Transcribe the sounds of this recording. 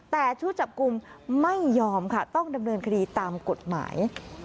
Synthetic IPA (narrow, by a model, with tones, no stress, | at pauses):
t̪ɛː˨˩t͡ɕʰu˦˥t̪̚t͡ɕa˨˩p̚ku˧mːa˥˩jːɔː˧mkʰa˥˩t̪ɔ˥˩ŋda˧mnɤː˧nkʰa˧diː˧t̪aː˧mko˨˩t̪̚ma̰ː˩˦j